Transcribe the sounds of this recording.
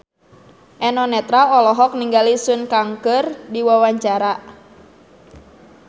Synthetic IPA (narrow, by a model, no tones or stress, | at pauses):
ʔɛnɔnɛt̪ɾaɔlɔɦɔk̚niŋɡalisunkaŋkərdiwawaɲt͡ʃaɾa